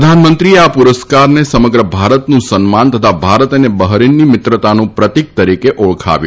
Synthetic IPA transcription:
əd̪ʱanmənt̪ɾieapuɾəskaɾnesəməɡɾəbʱaɾət̪nũsənmant̪ət̪ʰabʱaɾət̪nebəɦɾinːimɪt̪ɾət̪anũpɾət̪ik̚t̪əɾikeʔoɭkʰa̰ʋjṵ̃

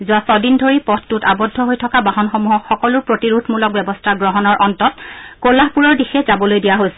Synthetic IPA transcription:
zʊwasɔdindʱoɹipɔttutabɔdʱːɔɦojtʰɔkabaɦɔnxomuɦɔkxɔkɔlʊɹpɹotiɹudʰʱmulɔk̚bɛbɔstʰaɡɹɔɦɔnɔɹʔɔntɔt̚kolahpuɹɔɹdixɛzabɔlojdijaɦojsɛ

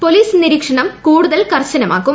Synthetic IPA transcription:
poliːsniɾiːkʂɐɳɐmkuːɽuðɐlkɐrt͡ɕɐnɐma̰ːkːum

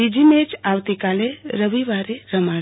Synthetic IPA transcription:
id͡ʒimet͡ʃawt̪ikaleɾəʋiʋaɾeɾəma

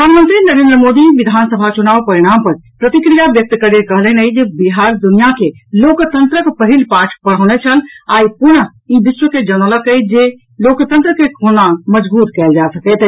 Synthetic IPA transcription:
pəd̪ʱaːnmə̃nt̪ɾinəɾẽːnd̪ɾəmod̪iʋid̪ʱansəbʱat͡ʃunaːʋpəɾiɽ̃ampəɾpɾət̪ikɾijabjək̚t̪kəɾekəɦlənəid͡ʒebiɦaɾd̪unijake | loːkt̪ənt̪ɾəkpəɦilpaʈʰpəɽ̤əʊnet͡ʃʰəlaːipʊn | ibiʃwəked͡ʒənəlakəjd͡ʒe | loːkt̪ənt̪ɾəkekʰonaməd͡ʒbuːt̪kɛːld͡ʒasəkɛt̪ə

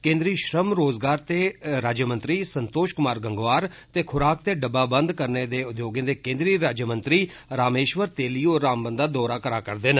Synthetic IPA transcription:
kẽːnd̪ɾiːʃɾəmɾoːzɡaːɾt̪eːɾaːd͡ʒjəmə̃nt̪ɾiːsənt̪oːʃkʊmaːɾɡəŋɡʋaːɾ | t̪eːkʰʊɾaːkt̪eːɖəbːaːbənd̪kəɾneːd̪eːʊd̪joːɡẽːd̪eːkẽːnd̪ɾiːɾaːd͡ʒjəmə̃nt̪ɾiː | ɾaːmeːʃʋəɾt̪eːliːoːɾːaːmbə̃nd̪aːd̪ɔːɾaːkəɾaːkəɾd̪eːn

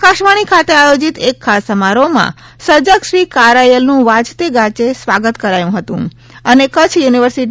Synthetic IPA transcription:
kaʃʋaɽ̃ikʰat̪eajod͡ʒit̪ekʰːasəmaɾomã̰ | səd͡ʒəkʃɾikaɾajəlnũʋad͡ʒt̪eɡat͡ʃesʋaɡət̪kəɾajũɦət̪ṵ̃ | ənekət͡ʃʰjuniʋəɾsiʈ

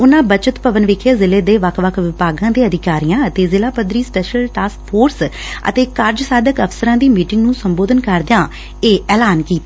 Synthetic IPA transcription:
ʊnãːbət͡ʃət̪pəʋənʋɪkʰəːzɪleːd̪eːʋəkʰʋəkʰʋɪpaːɡãːd̪eːəd̪ʱɪkaːɾijãːət̪eːzɪlaːpəd̪ɾiːspɛːʃəlʈaːskpʰoːɾs | ə̰t̪eːkəɾd͡ʒsaːd̪əkəpʰsəɾãːd̪iːmiːʈɪŋɡnũːsəmboːd̪ənkəɾd̪jãː | eːɛːlaːnkiːt̪ː

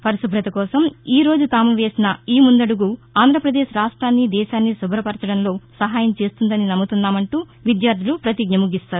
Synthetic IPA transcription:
pʰɐɾisubʱɾɐt̪ɐkɔːsɐmiːɾo̞ːd͡ʒut̪aːmuʋe̞ːsinɐiːmund̪ɐɽuɡuaːnd̪ʱɾɐpɾɐd̪e̞ːʃɾaːʂʈɾaːnːid̪ɛːʃaːnːisubʱɾɐpɐɾt͡ʃɐɽɐnlo̞ːsɐɦaːjɐmt͡ʃe̞ːst̪und̪ɐninɐmːut̪unːaːmɐɳʈuː | ʋid̪jaːɾd̪ʱilupɾɐt̪iɡɲɐmuɡist̪aːɾu

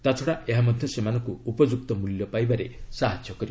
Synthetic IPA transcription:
t̪at͡ʃʰɔɽaʔeɦamɔd̪ʱjɔsemanɔŋkuːpɔd͡ʒuk̚t̪ɔmuljɔpajbaɾesaɦad͡ʒjɔkɔɾi

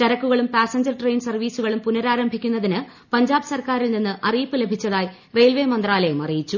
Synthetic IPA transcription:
t͡ɕɐɾɐkːuɣɐɭumpaːsɐɲd͡ʑɐrʈre̞jnsɐrʋiːsuɣɐɭumpunɐɾaːɾɐmbʱikʲːunːɐðinɨ | pɐɲd͡ʑaːbɨsɐrkaːɾilninːɨʔɐrijpːɨle̞bʱit͡ɕːɐðaːji | rejlʋemɐnd̪raːlɐjumɐ̰rijit͡ɕːu

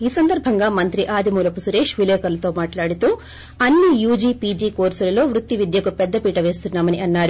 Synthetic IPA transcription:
iːsɐnd̪ɐɾbʱɐŋɡaːmɐnt̪ɾiʔaːd̪ʱimuːlɐpusuɾeːʂʋileːkɐɾlɐt̪o̞ːmaːʈlaːɽit̪u | ɐnːijuːd͡ʒiːpiːd͡ʒikoːɾsɐlɐloːʋɾut̪ːiʋid̪jɐkupɛd̪ːɐpiːʈɐʋe̞ːst̪unːaːmɐniɐnːaːɾi

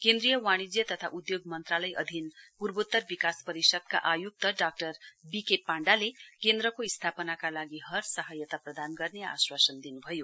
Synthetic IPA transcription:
kend̪rijʌwaɽ̃id͡zjʌt̪ʌt̪ʰaʔud̪joɡmʌnt̪ralʌjʔʌ̰d̪ʱinpurbot̪ːʌrbikaspʌɾisʌd̪kaʔajuk̚t̪ʌɖak̚ʈʌrbikepːaɳɖalekend̪ɾʌkoist̪ʰapʌnakalaɡiɦʌrsʌɦʌjʌt̪aprʌd̪anɡʌrnea̰swasʌnd̪inubʱʌjo

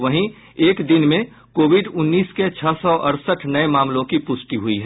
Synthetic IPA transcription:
ʋəɦĩ | eːkd̪ɪnmẽ | koːʋiɖʊnːiːsket͡ʃʰəsɔʔəɾsəʈʰnəemaːmlõkipʊsʈiɦuiɦɛ

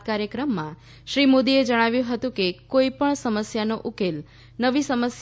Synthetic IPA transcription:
kaɾjəkɾəmːã | ʃɾimod̪ied͡ʒəɽ̃aʋjũɦət̪ũkekoipəɳsəməsjanoʔukel | nəʋisəməs

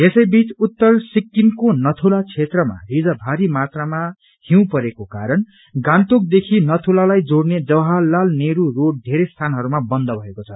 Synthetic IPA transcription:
esʌjbit͡sut̪ːʌrsikːinkonʌt̪ʰulat͡sʰet̪rʌma̰rid͡zʌbʱaɾimat̪rama | hiw̃pʌɾekokaɾʌn | ɡãnt̪ok̚d̪ekʰinʌt̪ʰulalajd͡zoɽned͡zʌwɦalːalneɾuroɽ̚d̪ʱeɾest̪ʰanɦʌɾumabʌnd̪ʱʌbʱʌekot͡sʰʌ

